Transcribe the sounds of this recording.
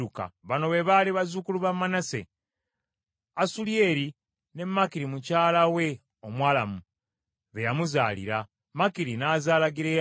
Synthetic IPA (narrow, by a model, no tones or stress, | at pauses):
uka̰βano̞βe̞βaliβazukuluβamːanase̞̰ | asuljeːɾi | ne̞mːakiɾimucaːlawe̞ | omwaːla̰mu | βejamuzaːlḭɾa | makiɾinaːzaːlaɡiɾe